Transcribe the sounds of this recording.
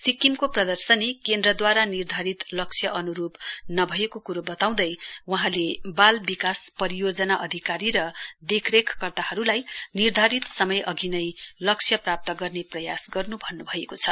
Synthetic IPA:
sikːimkoprʌd̪ʌrsʌnekend̪rʌd̪waɾanird̪ʱaɾit̪lʌk̚sʰjʌʔʌnuɾupnʌbʱʌekokuɾobʌt̪aw̃d̪ʌjwʌɦãlebalbikaspʌɾijod͡zʌnaʔʌd̪ʱikaɾiɾʌd̪ekʰrekʰkʌrt̪ahʌɾulajnird̪ʱaɾit̪sʌmʌjʌɡinʌjlʌkt͡sʰjʌprap̚t̪ʌɡʌrneprʌjasɡʌrnubʱʌnːubʱʌekot͡sʰʌ

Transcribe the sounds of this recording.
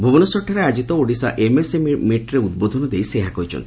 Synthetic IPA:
bʱubɔnɔsɔʈʰːaɾead͡ʒit̪ɔoɖisa̰ʔemesemmiʈɾeud̪̚bod̪ʱɔnɔd̪ejseɦakɔjt͡ʃʰɔ̰nt̪i̥

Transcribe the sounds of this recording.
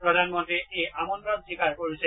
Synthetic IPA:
pɹɔd̪ʱanmɔntɹiejʔamɔntɹɔnsikaɹkoɹisʰɛ

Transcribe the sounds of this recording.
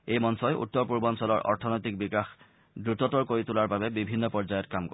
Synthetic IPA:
ejmɔnsɔjʔṵtːɔɹpuɹbɔnsɔlɔɹʔɔ̰ɹtʰɔnɔjtik̚bikax | dɹutɔtɔɹkoɹitulaɹbabɛbibʱinːɔpɔɹzajɔtkamkɔ

